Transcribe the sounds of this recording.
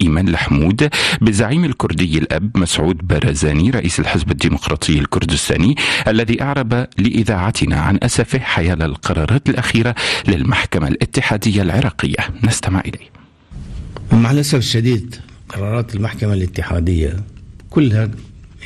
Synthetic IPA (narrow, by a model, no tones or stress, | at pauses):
ʔiːmaːnlaħmuːd̪bɪzːaʕiːmalkʊɾd̪ɪjːalʔabmasʕuːd̪baɾˤɑːzaːniɾˤɑʔiːsalħɪzbad̪ːiːmʊqɾˤɑːt̪ˤʰɨjːalkʊɾd̪ɪst̪a̰ːniʔalːaðiːʔɑʕɾˤɑbalɪʔɪðaːʕat̪ɪna̰ʕa̰nʔasafɪhħajaːlalqɑɾˤɑːɾˤɑːt̪alʔaxiːɾalɪlmaħkama̰lʔɪt̪ːɪħaːd̪ɪjːalʕɪɾˤɑːqɪjːa̰nɪst̪amɪ̰ʕʔɪlaː | maʕalʔasafɪʃːad̪iːd̪ | qɑɾˤɑːɾˤɑːt̪ɪlmaħkamalɪt̪ːɪħaːd̪ɪjːakʊlːha